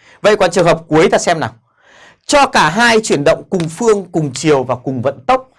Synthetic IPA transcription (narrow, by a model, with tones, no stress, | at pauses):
və̰˧˨jkɔ˨˩t͡ɕɨ˨˩əŋɦəː˨˩p̚ku˨˦əjt̪aː˨˩sɛ˧mna˨˩ŋ | t͡ɕɔ˧kaː˧˩ɦaː˧jt͡ɕwi˧˩ənɗə̰˧˨wŋ͡mkʊ˨˩ŋ͡mfɨ˧əŋkʊ˨˩ŋ͡mt͡ɕi˨˩əwvaː˨˩kʊ˨˩ŋ͡mvə̰˧˨nt̪ə˦˥wk͡p̚